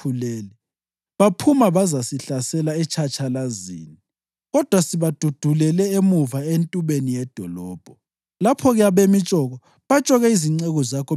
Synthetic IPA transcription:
uleːlɛ | βapʰumaβazasiɬasɛlaɛt͡ʃʰat͡ʃʼʰalazḭːni | ɣɔd̥ʱwasiβad̥ʱud̥ʱulɛlɛemuvaentʼuβenijɛd̥ʱɔlɔːb̥ʱɔ | lapʰɔɣɛjaβemit͡ʃʼɔɣɔ | βat͡ʃʼɔɣɛiziŋ͡ǀɛɣɔzakʰɔ

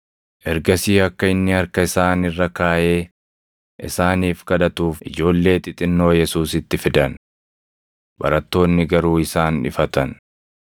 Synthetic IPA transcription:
ʔɛɾɡɐsiːɐkːɐɪnːɪɐɾkɐɪsaːnɪrːɐkaːʔe̞ː | ʔɪsaːniːfkɐd̪ɐt̪uːfʔɪ̰d͡ʒo̞ːlːe̞ːt̪ɪt̪ʼɪnːo̞ːjɛsuːsɪt̪ːɪfɪd̪ɐn | bɐ̰ɾɐt̪ːo̞ːnːɪɡɐɾuːɪsaːnᶑɪ̰fɐt̪ɐn

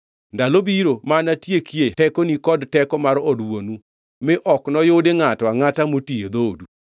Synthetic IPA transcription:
ndalobiɾomanatjekjetɛkonikɔdtɛkɔmaɾɔdwonu | mɪʔɔknɔjodeŋatɔaŋatamotied̪odu

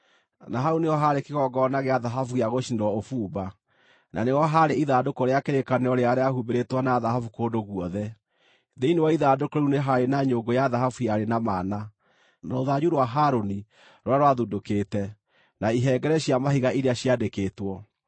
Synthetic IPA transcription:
naɦaɾuneɔɦaɾekeɣɔɡɔnaɣeaðaɦafujaɣoʃineɾwɔofuːba | na̰newɔɦaɾeiðaːdokoɾeakeɾekaneɔɾeaɾeahubeɾetwɔnaːðaɦafukoːdoɣuɔðɛ | ðeinewaiðadokoɾuneɦaɾenaɲoɡojaðaɦafuaɾenamana | nooðaɲuɾwaɦaɾoni | ɾwaɾwaðudokeːtɛ | naiɦɛːɡɛɾɛɕiamahiɣaʔiɾeaɕijadekeːtwɔ

